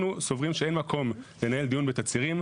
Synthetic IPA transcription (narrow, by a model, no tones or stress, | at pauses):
nuso̞vʁimʃee̞nmakʰo̞mlenaje̞ld̪ijunbet̪at͡siʁim